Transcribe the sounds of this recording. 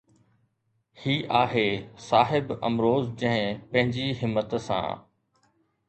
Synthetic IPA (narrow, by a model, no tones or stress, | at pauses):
hiːʔaːɦeːsaːɦɪbɐ̰mɾoːzd͡ʑɐ̃ɦɪ̃pɐ̃ɦɪ̃ɲd͡ʑiɦɪmːət̪sã̰ː